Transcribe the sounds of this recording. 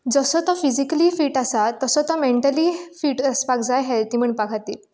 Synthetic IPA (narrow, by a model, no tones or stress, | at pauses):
d͡zəsət̪ɔfizikəliːfiːʈasat̪ːəsət̪ɔmeɳʈəliːfiːʈəspakd͡zajɦelt̪im̤əɳpakʰat̪iːl